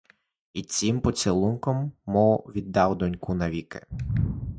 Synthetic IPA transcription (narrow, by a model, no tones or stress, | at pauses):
it͡sʲimpɔsʲɪlˠunkɔmːɔwʋʲid̪ːɑwd̪ɔnʲkunɐʋʲikɪ̥̰